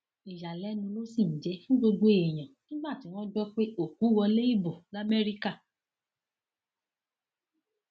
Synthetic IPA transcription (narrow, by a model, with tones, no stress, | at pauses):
i˨ja˨lɛ˨˦nũ˧lo˦sĩ˦˨n̩˨d͡ʒɛ˨˦fũ˦ɡ͡bo˧ɡ͡bo˧˨ɛ˨j̃ã˨nĩ˦ɡ͡ba˦˨ti˨˦w̃ɔ̃˦d͡ʒɔ˦k͡pe˦o˦˨ku˨˦wɔ˧le˦i˦˨bo˨ɡa˦mɛ˦ɾi˦ka˦˨